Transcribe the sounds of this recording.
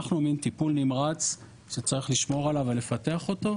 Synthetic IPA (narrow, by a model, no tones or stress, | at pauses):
aχnumint̪ipulnimʁat͡s | ʃet͡saʁiχliʃmo̞ʁalavele̞fate̞aχo̞t̪o̞